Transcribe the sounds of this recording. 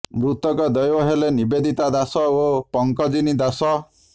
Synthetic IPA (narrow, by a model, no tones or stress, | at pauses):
mɾut̪ɔkɔd̪ɔjwɔɦelenibed̪ʱit̪ad̪asɔopɔŋkɔd͡ʒinid̪asɔ